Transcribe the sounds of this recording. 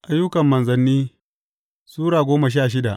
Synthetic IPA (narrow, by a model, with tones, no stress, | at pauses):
ʔa˦jːʊ˦kɐ˨mːɐ˨nzɐ˨nːiː˦ | suː˦ɽaː˨ɡʷoː˦ma˨ʃ̬aː˦˨ʃ̬ɪ˦da˨ʔ